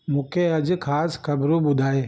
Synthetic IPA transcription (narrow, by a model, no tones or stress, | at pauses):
mʊːkʰeːɐd͡ʒkʰaːskʰəbɾũːbʊd̪ʱaːeː